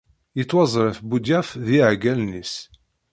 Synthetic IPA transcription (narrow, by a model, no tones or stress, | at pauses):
jət͡sːwɑzˤɾˤəfbud̪jæfðiʕɡælnis